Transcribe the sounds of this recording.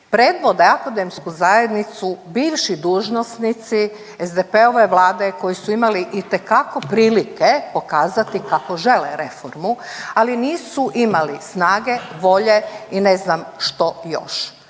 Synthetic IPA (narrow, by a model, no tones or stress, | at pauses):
pɾeːd̪ʋod̪aakod̪emskuzaje̞d̪nit̪subiːʋʃid̪uːʒno̞snit̪si | ezd̪epeo̞ʋe̞ʋlˠaːd̪e̞ko̞jisuimaliʔit̪e̞kako̞pɾiːlikepo̞kaːzat̪ikako̞ʒe̞leɾe̞foɾmualiniːsuʔimalisnaːɡe̞ʋo̞ʎe̞ineznamʃt̪o̞jo̰ʃ